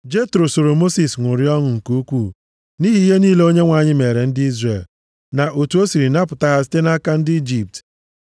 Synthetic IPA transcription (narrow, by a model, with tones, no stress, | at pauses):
d͡ʒe˦tɾo˨so˨ɾo˨mo˦si˨sŋʷʊ˨ɾi˦ɔ˦ŋʊ˨ŋ̩˨ku˦kʷuː˦˨ | ni˦ɦi˦ɦe˦niː˦le˦o˦ɲe˦ŋʷa˨ɲɪ˦me˨ɾe˨n̩˦dɪ˦i˦zre˨l | na˨ʔo˨tu˨o˦si˨ɾi˨na˦pʊ˨ta˦ɦa˦si̥˦te˦na˦ka˦n̩˦dɪ˦i˦d͡ʒi˨p̚t